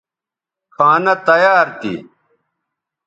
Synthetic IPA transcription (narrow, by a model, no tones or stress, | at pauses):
kʰaːnɐt̪ɐjaːɾt̪ḭ